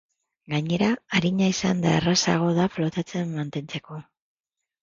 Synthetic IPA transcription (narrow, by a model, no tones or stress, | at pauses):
ɡaɲe̞ɾaːɾiɲaisand̪aerasa̰ɣ̞o̞ð̞aflo̞t̪at͡se̞mːant̪e̞nt͡se̞ko̞